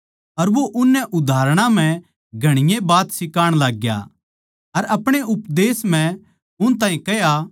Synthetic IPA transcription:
ɐɾʋoʔʊnːɛʔʊd̪ʱaːɾɽ̃ãm̤ɛ̃ | ɡʱɐɽ̃ɪjẽbaːt̪sɪkaːɽ̃laːɡja̰ | ɐɾɐpɽ̃eʔʊpd̪eːsm̤ɛ̃ | ʊñt̪̬ãːĩkɐja

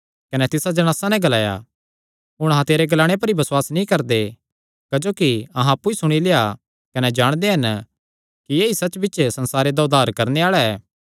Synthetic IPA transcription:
kɐnɛt̪ɪsad͡ʒɐɽ̃aːsanɛ̃ɡɐlaːja̰ | ɦʊɽ̃ɐɦãt̪eːɾeɡɐlaːɽ̃ep̬ɐɾibɐswaːsnĩkɐɾd̪e | kɐd͡ʒoːkiɐɦãɐpːuisʊɽ̃ilea | kɐnɛd͡ʒaːɽ̃d̪eɦɐn | kijeːisɐt͡ʃbɪtːt͡ʃsɐ̃nsaːɾed̪aʊd̪aːɾkɐɾneaːɭaɛː

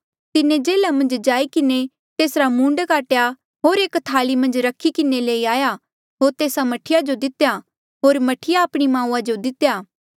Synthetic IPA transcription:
t̪ɪnẽd͡ʒeːlamɐ̃nd͡ʒd͡ʒaːikɪne | t̪eːsɾamũːɳɖkaːʈja | ɦoːɾeːkt̪ʰaːlimɐ̃nd͡ʒɾɐkʰikɪneleːiaːja | ɦoːɾt̪eːsamɐʈʰɪjad͡ʒod̪ɪt̪ja | ɦoːɾmɐʈʰɪjaːpɽ̃imãːũːad͡ʒod̪ɪt̪jaː

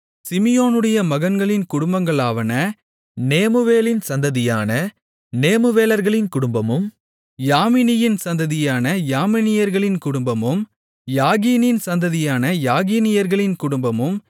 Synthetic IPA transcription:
sɪmɪjoːnɯɽɐjɐmɐɣɐnɡɐɭɪnkʊɽʊmbɐŋɡɐɭaːʋɐnɐ | neːmɯʋeːlɪnsɐnd̪ɐðɪjaːnɐ | neːmɯʋeːlɐɾɣɐɭɪnkʊɽʊmbɐmɯm | jaːmɪnɪjɪnsɐnd̪ɐðɪjaːnɐjaːmɪnɪjɐɾɣɐɭɪnkʊɽʊmbɐmɯm | jaːɣiːnɪnsɐnd̪ɐðɪjaːnɐjaːɣiːnɪjɐɾɣɐɭɪnkʊɽʊmbɐmɯm

